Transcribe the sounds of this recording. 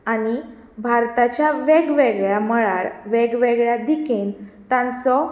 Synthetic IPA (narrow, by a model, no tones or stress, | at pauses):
añi | bʱaɾt̪at͡ɕjaʋɛɡʋeɡɭjaməɭaɾʋɛɡʋeɡɭjad̪ikʰent̪ãnt͡sɔ